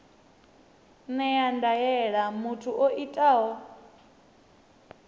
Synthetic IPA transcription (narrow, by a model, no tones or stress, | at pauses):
nɛjandajɛɺamutʰuʔoʔitʼaɦɔ